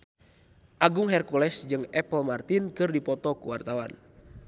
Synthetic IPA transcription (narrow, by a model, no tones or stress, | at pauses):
ʔaɡuŋɦɛrkulɛsd͡ʒɨŋɛpəlmart̪inkɨrdipɔt̪ɔkuwart̪awa̰n